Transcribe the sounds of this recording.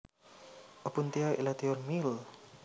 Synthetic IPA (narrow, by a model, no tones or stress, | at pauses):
ʔɔpunt̪iaḭlat̪iɔrmil